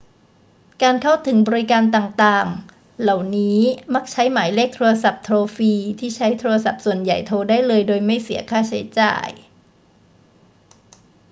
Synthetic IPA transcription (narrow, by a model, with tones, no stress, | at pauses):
kaː˧nkʰa˥˩wt̪ʰːɯ˩˦ŋbɔː˧ɾi˦˥kaː˧nt̪aː˨˩ŋt̪aː˨˩ŋ | la˨˩wniː˦˥ma˦˥˩k̚t͡ɕʰa˦˥jmaː˩˦jleː˥˩k̚t̪ʰu˧a˧sa˨˩p̚t̪ʰɾoː˧fiː˧t̪ʰiː˥˩t͡ɕʰa˦˥jt̪ʰuː˧ɾa˧s̬a˨˩p̚su˨˩ənja˨˩jt̪ʰoː˧daː˥˩jlɤː˧jdoː˧jma˥˩jsi˩˦ɐkʰaː˥˩t͡ɕʰa˦˥jt͡ɕa̰ː˨˩j